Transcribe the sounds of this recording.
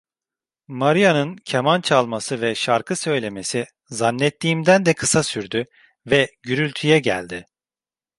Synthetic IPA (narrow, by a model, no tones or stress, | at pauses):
maɾijanɯncʰemant͡ʃʰalˠmasɯvɛʃaɾkʰɯsø̞jlʲe̞me̞si | zanːɛt̪ʰːiːmd̪ænd̪ɛkʰɯsasyɾd̪y | vɛɟyɾylʲt̪ʰyjɛɟæ̰lʲd̪ɪ